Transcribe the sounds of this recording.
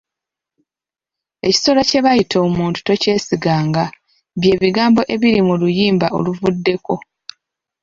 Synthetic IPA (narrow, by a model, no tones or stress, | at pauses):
e̞ci̥so̞lace̞βajitʰo̞ːmuːntu̥to̞ce̞ːsiɡaːŋɡa | βje̞ːβiɡaːmbo̞ʔe̞βiɾimulujiːmbaʔo̞̰luvudːe̞ko̞